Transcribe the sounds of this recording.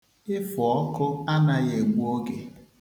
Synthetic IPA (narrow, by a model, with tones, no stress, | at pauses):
ɪ˦fɔ˨ɔ˦kʊ˦a˦na˦je˨ɡ͡bu˦o˦ɡe˨